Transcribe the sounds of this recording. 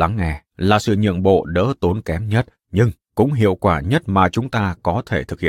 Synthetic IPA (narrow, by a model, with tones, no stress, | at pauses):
la˨˦ŋːɛ˨˩ | laː˨˩sɨ̰˧˨ɲɨ̰˧˨əmɓo̰˧˨ɗə̰ː˧˥t̪o˨˦nkɛ˨˦mɲə˦˥t̚ | ɲɨ˧ŋkʊ̰˧˥ŋ͡mɦḭ˧˨əwkwaː˧˩ɲə˦˥t̚maː˨˩t͡ɕʊ˨˦ŋ͡mt̪aː˧kɔ˨˦t̪ʰe˧˩t̪ʰɨ˨˩k̚hḭ˧˨˧